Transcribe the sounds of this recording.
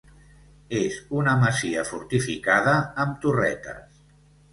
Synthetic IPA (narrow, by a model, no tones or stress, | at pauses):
ezunəməziəfuɾt̪ifikaðəːmt̪urɛt̪ə̰s